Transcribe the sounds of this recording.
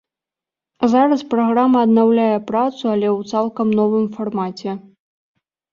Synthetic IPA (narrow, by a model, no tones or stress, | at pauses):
zaɾɐspɾaɣɾamɐːd̪nawlʲajɛpɾat̪suɐlʲɛwt̪salˠkɐmnɔvɨmfarmat͡sʲɛ